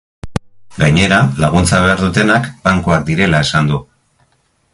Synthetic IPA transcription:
ɡaɲe̞ɾalaɣ̞unt͡saβ̞e̞aɾðut̪e̞nakbaŋkoak̚d̪iɾe̞lae̞sand̪u

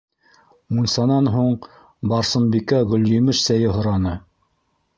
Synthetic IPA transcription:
munsɑnɑnɦuɴ | bɑɾsɤ̆mbikæʁɵ̆ljɵ̆mɘʃsæjɘɦŏɾɑnɤ

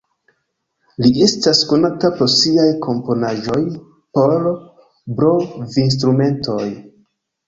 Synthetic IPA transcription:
lie̞stasko̞natapo̞ɾsiajkʰo̞mpo̞naʒo̞j | po̞l | bɾo̞vins̬tɾume̞nto̞j

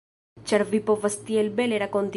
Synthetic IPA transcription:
t͡ʃaɾvipo̞vast̪ielbe̞le̞ɾako̞nt̪

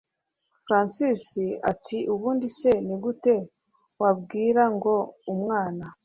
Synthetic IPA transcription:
fɾansisia̰tʰiuβuːndise̞niɡute̞ | wabɡiːɾaŋɡo̞umŋaːna

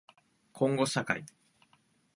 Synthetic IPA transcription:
kʰõ̞ŋɡo̞saka̰i

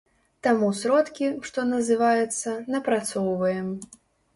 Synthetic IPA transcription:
t̪amusɾɔt̪kʲiʂt̪ɔnɐzɨvajɛt̪sːɐnɐpɾat̪sɔwvɐjɛm

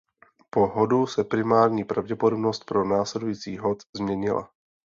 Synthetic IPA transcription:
po̞ɦodusɛpɾɪmaːɾɲiːpɾavɟɛpodobno̞st̪̚pɾonaːslɛdujiːt͡siːɦot̪zmɲɛɲɪla̰

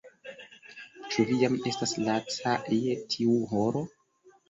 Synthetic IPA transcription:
t͡ʃuvijame̞staslat͡sajetʰiuɦoɾo̞

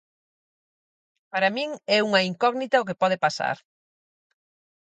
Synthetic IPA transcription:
paɾɐamĩŋɛuŋɐiŋkɔɣnit̪ɐʊkepɔð̞epasa̰ɾ

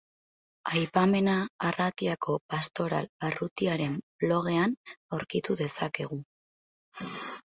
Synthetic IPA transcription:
ajpame̞naːrat̪iakʰo̞past̪o̞ɾa̰larut̪iaɾe̞mblo̞ɣ̞e̞anawɾkit̪uðe̞sake̞ɣ̞u

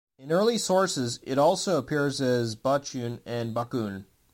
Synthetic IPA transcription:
ɨ̃nɜ˞lˠisɔɹsɪzɪɾɔlˠsoʊəpʰɪɹzɨzbʌt͡ʃʉ̃nɨ̃nbʌkũn

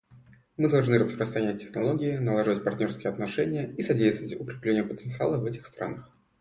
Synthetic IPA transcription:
mɨd̪ɐlˠʐnɨɾəspɾəst̪ɾɐnʲæt̚ʲːɪxnɐlˠo̞ɡʲɪɪnəlˠaʐɨvətʲpɐrt̪ʲnʲo̞rskʲɪjəɐt̪nɐʂɛnʲɪjəisɐdʲejst̪əvətʲʊkɾʲɪplʲenʲɪjəpət̪ənt̪sɨa̰lˠəvɛtʲɪxst̪ɾa̰nəx

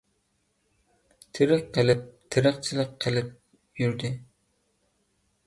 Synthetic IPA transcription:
t̪ʰɪɾɪqqːəlɪp̚t̪ʰɪɾəχt͡ʃʰilˠəqqʰːəlɪp̚ | jyɾd̪ɪ

